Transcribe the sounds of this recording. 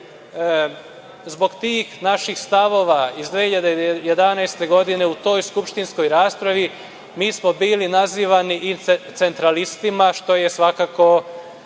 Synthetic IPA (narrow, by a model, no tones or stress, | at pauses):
zbo̞ɡt̪iːxnaʃixst̪aʋo̞ːʋaizd̪ʋehiʎad̪ejed̪anajst̪e̞ɡo̞d̪ine̞ut̪o̞ːjskupʃt̪insko̞jɾaːspɾaʋi | miːsmo̞biːlinaziːʋaniʔit̪se̞nt̪ɾalist̪imaʃt̪o̞je̞sʋakaːko̞